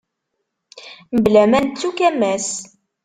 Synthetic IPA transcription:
məblæmænt͡sːukæmːæs

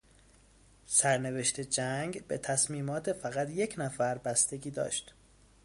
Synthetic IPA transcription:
sæɾne̞ve̞ʃt̪ʰe̞d͡ʒæŋɡbe̞t̪ʰæsmiːmɒːt̪ʰefæɣæt̪je̞cʰnæfæɾbæst̪eɡiːd̪ɒ̰ːʃt̪

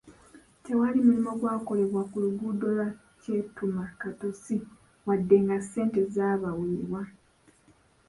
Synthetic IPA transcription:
te̞walimulimo̞ɡwaːko̞le̞βwakuluɡudo̞la | ce̞tumakato̞si | wadːe̞ŋɡase̞ːnte̞zaːβawiːβwa

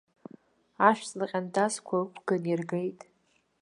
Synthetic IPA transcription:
aʃᶣt͡sʼlɨqʲʼandazkʷʰaɨkʷʰɡ̥anirɡejtʼ

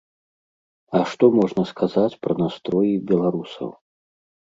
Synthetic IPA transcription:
ɐʂt̪ɔmɔʐnɐskʰazat͡sʲpɾɐnast̪ɾɔjibʲɛlˠaɾusɐ̰w

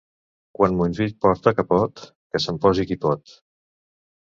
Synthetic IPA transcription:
kwanmuinʲʒit̪̚pɔɾt̪əkəpɔt̪ | kəsəmpɔzikipɔt̪

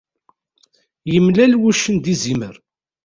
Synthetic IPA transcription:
jəmlælwuʃənd̪izimə̰ɾ

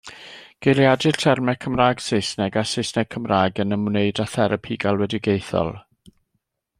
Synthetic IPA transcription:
ɡ̥ejljadɪrtʰɛrmɛkʰəmraːɡ̥sejsnɛɡasesnɛɡ̥̚kʰəmraːɡənəmneɨdaθɛɾəpʰiɡalˠwɛdɪɡejθɔ̰lˠ

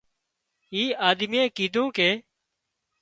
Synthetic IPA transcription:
iːaːd̪miẽːkiːd̪ʱũːkeː

